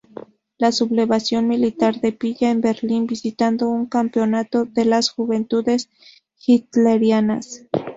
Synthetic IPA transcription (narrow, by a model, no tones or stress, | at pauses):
lasuble̞βasjo̞nmilit̪aɾde̞piʝaenbe̞ɾlinbisit̪and̪o̞uŋkampio̞nat̪o̞ðe̞lasxuβe̞nt̪ude̞s | xit̪leɾjana̰s